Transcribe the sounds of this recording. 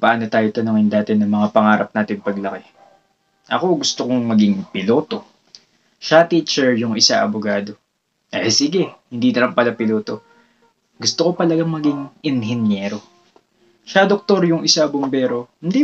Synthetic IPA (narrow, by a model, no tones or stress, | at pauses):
pɐʔaːnot̪aːjot̪ɐnʊŋɪnd̪aːt̪ɪnɐmɐŋapɐŋaːɾɐp̚naːt̪ɪŋpɐɡlɐkɛ | ʔɐ̰ko̞ɡʊst̪okoŋmɐɡɪŋpɪlo̞ːt̪o̞ | ʃat̪iːt͡ʃɛɹjʊŋɪsaʔɐbʊɡaːd̪o̞ | ʔɛsɪɡɛhɪnd̪iːnɐɾɐmpɐlɐpɪloːt̪o̞ | ɡʊst̪oko̞pɐlɐɡaŋmɐɡiŋʔɪnhɪnjɛɾo̞ | ʃɐd̪ok̚t̪o̞ɾjʊŋʔɪsabombɛːɾo̞hɪnd̪i